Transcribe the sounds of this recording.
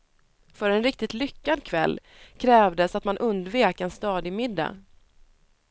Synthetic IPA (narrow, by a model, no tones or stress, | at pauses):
fœɾɛnɾɪk̚t̪ɪt̪lʏkːad̪kʰvɛlː | kʰɾɛːvd̪əsat̪manʔɵnd̪veːkɛnst̪ɑːd̪ɪmɪd̪ːa̰